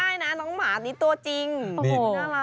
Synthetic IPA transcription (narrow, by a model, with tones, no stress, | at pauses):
aː˥˩jna˦˥nɔː˨˦˥ŋmaː˨˦t̪̚niː˦˥t̪u˧t͡ɕi˧ŋo˧˨˩a˧˦